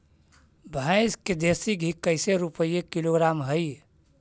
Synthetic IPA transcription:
bʱaɪsked̪esiɡʱikəɪseɾupəjekiloɡɾamɦəj

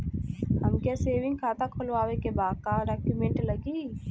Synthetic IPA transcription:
hɐmkjaseːʋɪ̃ŋɡkʰaːt̪akʰolʋaːwekebaːkaɖaːkjumẽɳʈləɡiː

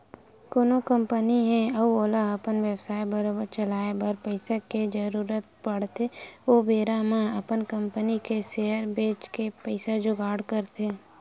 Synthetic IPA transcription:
koːnokə̃mpəniɦɛ̃ɐoːlaɐpənʋebsaːjbɐɾobəɾt͡ʃəlaːebəɾpəɪseked͡ʒəɾuːɾət̪̚pəɽt̪ʰeʋoːbeːɾamãɐpənkə̃mpənikeseːəɾbeːt͡ʃkepəɪsad͡ʒʊɡaːɽkəɾt̪eː

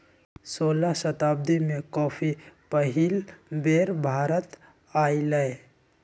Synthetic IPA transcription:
soːlaʃət̪aːb̚d̪imẽkɔːpʰipəɦilbeːɾbʱaːɾət̪ | aːiləe

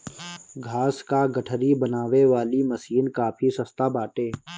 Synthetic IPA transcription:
ɡʱaːskaɡəʈʰɾibənaːʋeʋaːliməsiːnkaːpʰisəst̪abaːʈeː

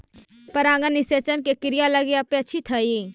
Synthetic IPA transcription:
pəɾãːŋɡənːiset͡ʃənkekɪɾijaləɡeapeɐtːt͡ʃʰit̪ʰəji

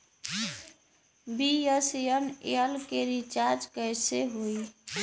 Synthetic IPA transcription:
bijəsjənḛəlkeɾit͡ʃaɾd͡ʒkəjseɦoj

